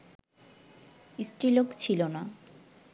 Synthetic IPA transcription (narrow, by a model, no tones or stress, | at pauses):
isʈɾilokt͡ɕʰilona